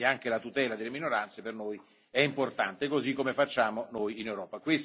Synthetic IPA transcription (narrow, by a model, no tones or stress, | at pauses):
aŋkelat̪ut̪ɛːlad̪elːeminoɾant̪sepernoːj | ɛimport̪ant̪ekozikːomefat͡ʃːaːmonojinewɾɔːpakwes